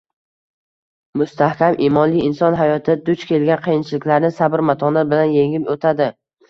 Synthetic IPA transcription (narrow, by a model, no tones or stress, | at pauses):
mʊst̪ʰahkʲamʔimɒnlijɪnsɒnɦajɒt̪ʰɪd̪ʊt͡ʃkʲelɡʲanqʰɨjɪnt͡ʃʰɪlɪkʲlaɾnɪsabɪɾmat̪ʰɒnabɪlanjeŋɪmot̪ʰad̪ɪ